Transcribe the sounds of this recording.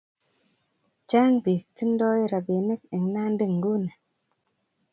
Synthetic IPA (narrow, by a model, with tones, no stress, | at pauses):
t͡ʃaː˦ŋbi˨k̚ti˦n˦dɔː˦i˦ɾa˨be˨ne˦k̚e˨ŋna˦n̩˦di˦˨ŋ˨ɡu˦ne˨